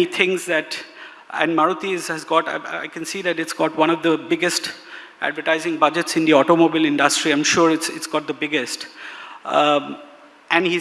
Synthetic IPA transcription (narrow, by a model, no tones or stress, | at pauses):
it̪ʰɪ̃ŋzd̪æʈ | ɛ̰̃nɖmaɾut̪izæzɡɔʈa̰ɪkɛ̃nsiːd̪æʈɪʈsɡ̥ɔːʈwʌ̃ñɔvd̪əbɪɡesʈ | ʔæ̰ɖʋəʈaɪzɪ̃ŋbʌd͡ʒeʈsɪ̃nd̪iɔʈomobɪlɪ̃ɳɖəsʈɾiãɪ̃mʃuːɾɪʈsɪʈsɡ̥ɔːʈ̚d̪əbɪɡesʈ | ʔæ̃ɳɖhi